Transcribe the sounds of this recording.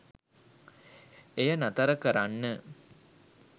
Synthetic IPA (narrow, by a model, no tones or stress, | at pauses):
ejɐnɐt̪ɐɾɐkɐɾanːə